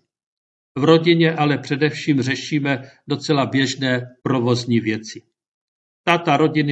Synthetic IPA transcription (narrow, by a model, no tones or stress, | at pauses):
vɾo̞ɟɪɲɛʔalɛpr̝̥ɛdɛfʃiːmr̝ɛʃiːmɛdo̞t͡sɛlabjɛʒnɛːpɾo̞vo̞zɲiːvjɛt͡sɪ | t̪at̪aɾo̞ɟɪn